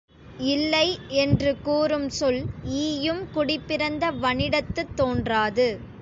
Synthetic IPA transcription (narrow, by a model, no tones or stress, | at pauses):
ɪlːɐɪɛndrɯkuːrɯmsɔliːjɯmkʊɽɪpːɪɾɐnd̪ɐʋɐɳɪɽɐt̪ːɯt̪ːoːndraːðɯ